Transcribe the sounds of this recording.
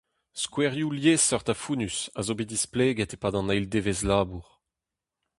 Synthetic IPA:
skwɛʁjuljesɔʁt̪afuːnysa̰zobidisplɛːɡɛt̪epaːdɑ̃najld̪eːvezlaːbuʁ

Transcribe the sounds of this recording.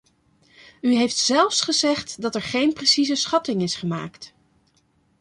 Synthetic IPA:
yɦejftsɛlˠfsχəzɛχtdɑtɛɹχejnprəsizəsχɑtɪŋɪsχəma̰ːkt

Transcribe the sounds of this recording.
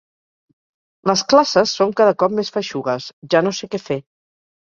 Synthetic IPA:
ləsklasəsːoŋkaðəkɔp̚mesfəʃuɣəsʒanosekɛfe

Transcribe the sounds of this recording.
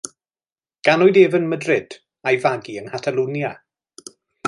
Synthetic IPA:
ɡ̥anɔɨdeːvənmədrɪd̥ | ajvaɡiənhatʰalˠunja

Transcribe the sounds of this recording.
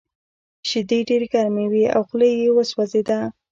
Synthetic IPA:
ʃɪd̪eɖeɾeɡaɾmewia̰wxləjewəswazed̪a

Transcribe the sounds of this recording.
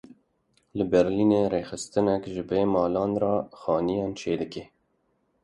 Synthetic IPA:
ləbɛɾliːneːreːxɨst̪ɨnɛkʒɨbeːmɑːlɑːnrɑːxɑːnijɑːnt͡ʃʰeːd̪ɨkeː

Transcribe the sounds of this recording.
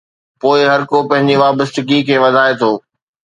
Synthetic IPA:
poːɪɦɐɾkopɐ̃ɦɪ̃ɲd͡ʑiʋaːbəst̪ɪkikʰeːʋɐd̪ʱaːet̪ʰoː

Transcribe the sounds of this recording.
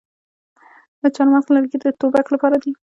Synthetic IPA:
d̪ət͡ʃɑnwasləɾɡeɾd̪ət̪obaklapɑɾad̪i

